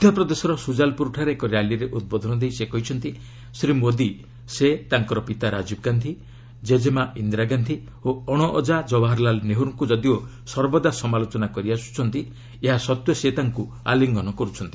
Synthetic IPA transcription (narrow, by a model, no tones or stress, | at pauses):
ud̪ʱjɔpɾɔd̪esɔɾɔsud͡ʒalpuɾuʈʰaɾekɔɾjaliɾeʔut̪̚bɔd̪ʱɔnɔd̪ejsekɔɦit͡ʃʰɔnt̪i | sɾimod̪i | set̪aŋkɔɾɔpit̪aɾad͡ʒib̚ɡand̪ʱi | d͡ʒed͡ʒemaind̪ɾaɡand̪ʱi | oɔɽ̃ɔʔɔd͡ʒad͡ʒɔbaɦɔɾlalneɦuɾɔŋkud͡ʒɔd̪io | sɔɾbɔd̪asɔmalot͡ʃɔnakɔɾiasu̥t͡ʃʰɔnt̪i | eɦasɔt̪wjɔset̪aŋku | a̰liŋɡɔnɔkɔɾut͡ʃʰɔnt̪i̥